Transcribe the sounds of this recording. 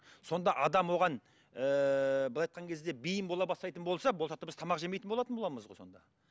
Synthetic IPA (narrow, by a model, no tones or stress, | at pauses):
so̞nd̪ɑʔɑd̪ɑmwo̞ʁɑn | əbɪlˠɑjt̪̚qɑŋkʲʰe̞zd̪e̞bijəmbo̞lˠɑbɑst̪ɑjt̪ənbolˠsɑbosɑt̪əbɪzt̪ʰɑmɑqʒemejt̪ənboɑt̪ənbolˠɑməzʁojso̞nd̪ɑ̰